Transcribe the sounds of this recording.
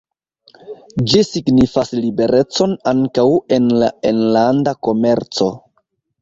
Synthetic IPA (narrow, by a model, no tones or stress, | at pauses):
d͡ʒisiɡnifaslibe̞ɾʔe̞t͡so̞naŋkawe̞nlaenlandako̞me̞ɾt͡so̞